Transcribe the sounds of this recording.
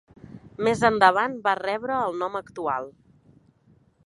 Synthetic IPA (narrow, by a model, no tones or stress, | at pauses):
mezənd̪əβ̞anbarɛβɾəːlˠnɔməkt̪ua̰lˠ